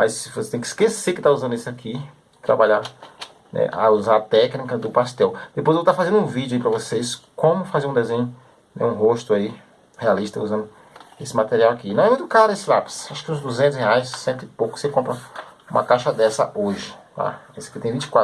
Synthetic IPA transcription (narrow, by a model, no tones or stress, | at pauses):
majsvose̥t̪ẽkɪ̥i̥skeseɾkɪt̪auzɐ̃nd̪ʊesɪakʰi | t̪ɾa̰baʎaɾ | nɛ̰ʔa̰uzaɾɐt̪ɛknikɐd̪ʊpast̪ɛwd̪̥epojzewt̪afazẽd̪ũvid͡ʒʊaipɾɐvoseskõmʊfazeɾũd̪ezẽɲʊ | nɛ̰ũɦoʃt̪ʊai | healiʃt̪ɐuzɐ̃nd̪ʊ | esɪmat̪eɾiawakinɐ̃w̃ɛmũj̃t̪ʊkaɾesɪlapsaʃʊkɪũzd̪uzẽnt̪ʊsheajsːẽt̪ɪɪpowkʊ̥sekõmpɾɐũmɐ̰kaʃɐd̪ɛsɐ̰oʒɪla̰esɪ̥kɪt̪ẽj̃vĩt͡ʃɪ̥kwa